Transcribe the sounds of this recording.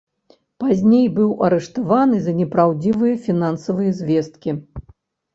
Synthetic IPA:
pazʲnʲejbɨwʔɐɾɛʂt̪avanɨzɐnʲɛpɾawd͡zʲivɨjɐfʲinansɐvɨjɐzʲvʲɛst̪̚kʲi

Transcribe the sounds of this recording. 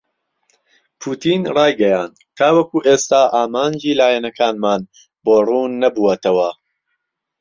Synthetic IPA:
pʰuːt̪ʰiːnrˤɑːjɡɐjaːnd̪kʰaːwɐkuːʔeːst̪aːʔaːmaːnd͡ʒiːlaːjɛnɐkʰaːnmaːn | boːruːnːɐbuwɐt̪ɐwɐ

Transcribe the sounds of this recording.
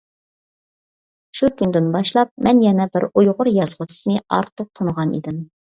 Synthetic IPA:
ʃukʲʰynd̪ɪnbɑʃlˠɑp̚mɛnjɛnɛbɪɾujʁʊɾjɑzʁʊt̪ʰɪ̥snɨɑ̰ɾt̪ʰːʊq̚t̪ʰonəʁɑnḭd̪ɪm

